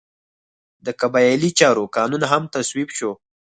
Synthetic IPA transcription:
d̪əkabɑjlit͡ʃɑɾokɑnunaɦamt̪aswibʃo

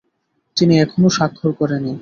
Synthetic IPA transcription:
t̪iniɛkʰonoʃakʰːoɾkɔɾeni

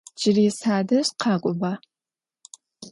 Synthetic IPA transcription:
d͡ʒɪriːsaːdɐɕqʰɑːkʷʼʊba

